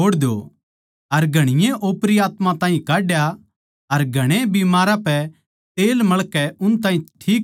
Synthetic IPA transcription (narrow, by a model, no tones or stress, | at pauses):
oːɽd̪o̰ | ɐɾɡʱɐɽ̃ɪjẽʔoːpɾiaːt̪mãt̪ãːɦĩkaːɖja | ɐɾɡʱɐɽ̃ẽbimaːɾãpɛ | t̪eːlmɐɭkɛʊnt̪̬ãːɦĩʈʰiːk